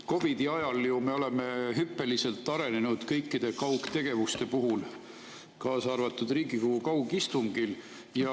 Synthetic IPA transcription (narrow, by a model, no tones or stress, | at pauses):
ko̞vid̪̥iɑjɑljume̞o̞leme̞ɦypːe̞lise̞lt̪ːˑɑɾe̞nenud̪̥kɤjkːid̪̥e̞kɑwkt̪e̞ɡe̞vust̪e̞puɦul | kɑːsɑrvɑt̪ːˑud̪riːɡikuhukɑwɡist̪uŋɡil | jɑ